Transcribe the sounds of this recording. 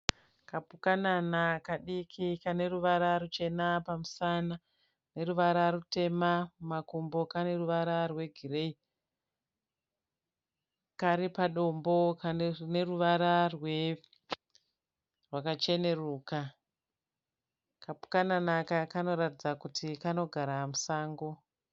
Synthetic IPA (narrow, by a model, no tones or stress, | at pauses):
kapukananakaɗikʰikane̞ruʋaɾarut͡ʃe̞napamusana | ne̞ruʋaɾaɾute̞mamakumbo̞kane̞ruʋaɾarwe̞ɡʱirei | kaɾipaɗo̞mbo̞kane̞ruʋaɾarwe | rwakat͡ʃe̞ne̞ruːka | kapu̥kananakakano̞ɾatid͡zakutʰikano̞ɡʱaɾamusaːŋɡo̞